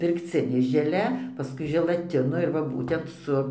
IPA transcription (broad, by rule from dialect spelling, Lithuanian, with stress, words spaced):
pʲɪrkˈt͡sʲɪnʲeː ʒʲɛˈlʲɛ pɐˈskʊɪ ʒʲɛlˠɐˈtʲɪnoː ɪr ʋɐ ˈbuːtʲɛnt ˈsʊ